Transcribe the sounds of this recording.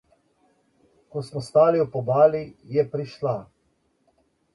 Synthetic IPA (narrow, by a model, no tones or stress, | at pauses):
kɔsmɔst̪aːliɔpɔbaːlijɛpɾiʃla